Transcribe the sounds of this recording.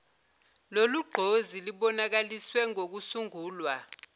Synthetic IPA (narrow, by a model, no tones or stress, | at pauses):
loluɡ͡ǃʱoziliɓɔnak̬aliswɛŋʱok̬usuŋuːlwa